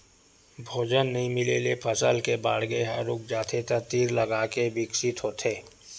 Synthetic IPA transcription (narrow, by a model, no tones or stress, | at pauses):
bʱoːd͡ʒənːɐɦĩmɪlelepʰəsəlkeba̰ːɽɡeɦəɾʊk̚d͡ʒaːt̪ʰet̪əɾt̪iːɾlɐɡaːkebɪksɪt̪ɦoːt̪ʰeː